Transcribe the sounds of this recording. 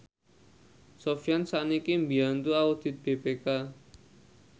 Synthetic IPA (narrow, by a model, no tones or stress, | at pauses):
sɔfjansaʔnikimbiant̪uaud̪̥i̤t̪̚b̥epeka